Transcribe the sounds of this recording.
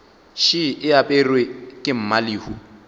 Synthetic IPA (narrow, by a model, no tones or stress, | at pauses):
ʃɪʔɪapʼɛrwekʼɪm̩maliːhu